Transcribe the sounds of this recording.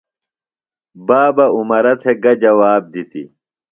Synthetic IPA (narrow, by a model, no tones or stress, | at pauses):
baːbɐumɐɾɐt̪ʰeɡɐd͡ʑɐwaːb̚d̪it̪ḭ